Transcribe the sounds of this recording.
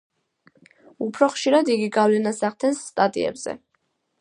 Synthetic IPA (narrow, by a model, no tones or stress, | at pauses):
upʰɾɔχʃiɾad̪iɡiɡavlɛnasaʁd̪ʰɛnsːt̪ʼat̪ʼḭɛ̰bz̥ɛ̰